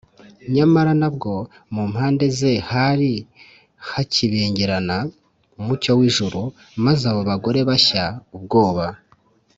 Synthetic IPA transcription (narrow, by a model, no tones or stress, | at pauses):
ɲamaɾanabɡo̞ | muːmhaːnde̞ze̞haɾi | haciβeːɲɟiɾana | umucowiːʒuɾu | mazaβo̞βaɡo̞ɾe̞βaçaub̚ɡo̞ːβa